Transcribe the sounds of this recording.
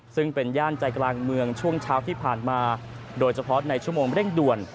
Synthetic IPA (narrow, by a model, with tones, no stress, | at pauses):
sɯ˥˩ŋpe˧njaː˥˩nt͡ɕa˧jklaː˧ŋmɯ˧əŋt͡ɕʰu˥˩əŋt͡ɕʰaː˦˥wt̪ʰiː˥˩pʰaː˨˩nmaː˧ | doː˧jt͡ɕʰa˧pʰɔ˦˥na˧jt͡ɕʰu˥˩əmoː˧ŋɾi˥˩ŋdu˨˩ən